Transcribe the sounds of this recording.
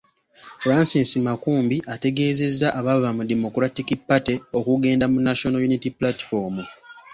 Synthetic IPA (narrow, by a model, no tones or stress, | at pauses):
fuɾansinsimakuːmbiʔate̞ɡe̞ːze̞zːaʔaβaββamudemo̞kuɾatikipːateo̞kuɡe̞ːndamunːaʃonojunitiplati̥fo̞mu